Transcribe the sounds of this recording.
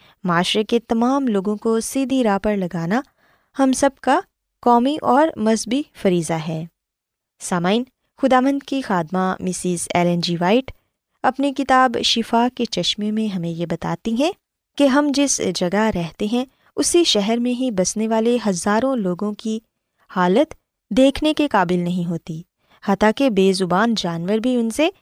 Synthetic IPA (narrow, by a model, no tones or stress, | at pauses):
maːʃɾeket̪ɐmaːmloːɡõkosiːd̪ʱiɾaːpɐɾlɐɡaːna | hɐmsɐb̚ka | kɔːmiʔɔːɾmɐzbifɐɾiːzaɦɛː | saːmaːɪn | xʊd̪aːʋə̃nd̪kixaːd̪mamɪsɪzɛːlɛ̃nd͡ʒiːʋaːɪʈ | ɐpnikɪt̪aːbʃɪfaːket͡ʃɐʃmemẽɦɐmẽjebɐt̪a̰ːt̪iɦɛ̃ | keɦɐmd͡ʒɪsd͡ʒɐɡaɾɛɦt̪eɦɛ̃ | ʊsiʃɛɦɛɾmẽɦibɐsneʋaːleɦɐzaːɾõloːɡõki | haːlət̪ | d̪eːkʰnekekaːbɪlnɐɦĩɦoːt̪i | haːt̪ãkebeːzʊbaːnd͡ʒaːnʋəɾbʱiʊnse